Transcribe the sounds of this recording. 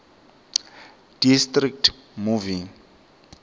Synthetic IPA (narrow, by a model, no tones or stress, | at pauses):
d̥istrik̚tmuvĩŋ